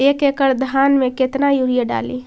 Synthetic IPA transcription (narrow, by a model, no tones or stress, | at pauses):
ekekəɾd̪ʱanmeket̪najuɾijeɖa̰lḭ